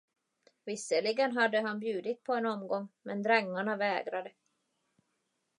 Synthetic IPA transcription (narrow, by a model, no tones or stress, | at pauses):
vɪsəɭɪɡənɦad̪ːəɦanbjʉ̟ːd̪ɪt̪̚pʰɔɛnɔmɡɔŋmɛnd̪ɾɛŋːaɳavɛːɡɾad̪ə